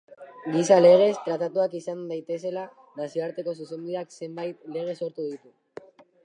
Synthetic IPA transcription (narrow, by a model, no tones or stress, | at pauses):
ɡisale̞ɣ̞e̞st̪ɾat̪at̪uakisand̪ajt̪e̞se̞la | nasioaɾt̪e̞ko̞s̬use̞mbiðakse̞mbajt̪le̞ɣ̞e̞so̞ɾt̪uðit̪u